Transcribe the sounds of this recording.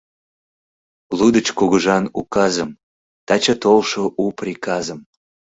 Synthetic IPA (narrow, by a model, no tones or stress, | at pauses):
lud̪ət͡ɕkuɣəʒɑnukɑzəm | t̪ɑt͡ɕɑt̪olʃoʔuprʲikɑzəm